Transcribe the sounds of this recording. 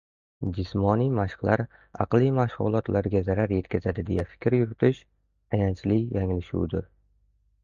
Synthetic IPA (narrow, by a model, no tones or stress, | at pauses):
d͡ʒɪsmɒnijmaʃqlaɾ | ɑ̰qlˠimaʃhʊ̰lˠɒt̪laɾɡʲazaɾaɾje̞t̪kʲʰazad̪ɪd̪e̞jafɪ̥kʲɾjʊɾɪt̪ʰɪʃ | ajant͡ʃlɪjaŋlɪʃṵwd̪ɪɾ